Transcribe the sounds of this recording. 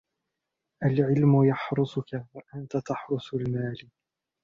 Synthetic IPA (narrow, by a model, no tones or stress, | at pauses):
ʔalʕɪlmʊjɑħɾʊsˤʊkawaʔant̪at̪ɑħɾʊsˤʊlmaːl